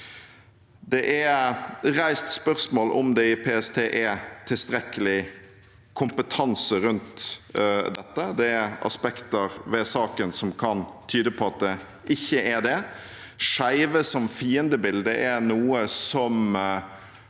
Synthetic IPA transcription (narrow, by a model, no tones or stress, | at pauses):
d̪ɛʔæ | ɾæɪst̪spœʁsmoːlʔɔ̰md̪ɛɪpʰeːɛst̪ʰeːʔɛɾt̪ʰɪlst̪ɾɛkəlɪ | kʰʊmpət̪ʰɑnsəɾʉnt̪ | d̪ɛt̪ːəd̪ɛæɑ̰spɛkt̪əɾʋɛsɑːkənsɔmkʰɑnt̪ʰyːd̪əpʰɔɑt̪̚d̪ɛ | ʔɪçːəʔæd̪ɛ | ʂæɪʋəsɔmfiːənd̪əbɪld̪əʔɛnuːəsɔm